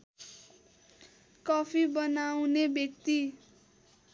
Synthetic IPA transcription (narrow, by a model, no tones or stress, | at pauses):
kʌpʰibʌnawnebjʌk̚t̪i